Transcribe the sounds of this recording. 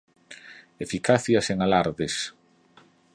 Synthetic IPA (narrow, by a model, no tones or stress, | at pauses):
efikaθjɐseŋalaɾðes